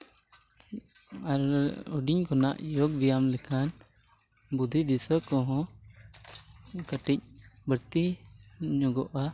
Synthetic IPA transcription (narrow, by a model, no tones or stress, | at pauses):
aɾuɖiɲkɔna̰ʔjɔɡbijamlɛkʰan | bud̪ʱid̪isəkɔɦɔ̃ | kəʈic̚bəɾt̪i | ɲɔɡɔʔa